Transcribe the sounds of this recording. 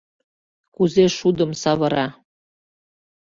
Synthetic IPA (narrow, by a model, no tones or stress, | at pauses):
kuzeʃud̪ə̆msɑβɤ̆ɾɑ